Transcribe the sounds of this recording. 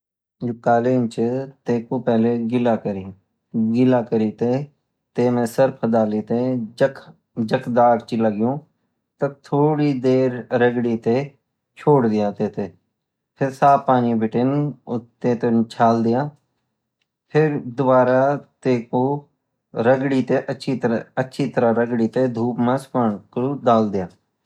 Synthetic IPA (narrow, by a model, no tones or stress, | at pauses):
d͡ʒʊkaːleːnt͡ʃet̪eːkoːpɛːleɡɪlaːkəɾiː | ɡɪlaːkəɾiːt̪eː | t̪eːmẽːsəɾpʰd̪aːlit̪ẽːk | d͡ʒəkd̪aːɽt͡ʃiləɡjõː | t̪ək̚t̪ʰoːɽid̪eːɾːəɡɽiːt̪eː | t͡ʃʰoːɽd̪ɪjaːt̪eːt̪eː | pʰɪɾsaːpːaːniːbɪʈɪnʊt̪ːẽːt̪ent͡ʃʰaːld̪ɪjãː | pʰɪɾd̪ʊʋaːɾaːt̪eːkoː | ɾəɡɽiːt̪eːʔətːʃʰiɾətːʃʰiːt̪əɾaːɾəɡɽiːt̪eːd̪ʱuːpmãːspaːɳkud̪aːld̪ɪjaː